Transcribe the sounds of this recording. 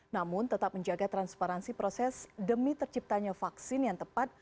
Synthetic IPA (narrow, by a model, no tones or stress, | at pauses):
namʊnt̪ət̪ap̚məɲd͡ʒaɡat̪ɾanspaɾansipɾosɛsdəmit̪ərt͡ʃip̚t̪aɲafaksɪnjaŋt̪əpat̪̚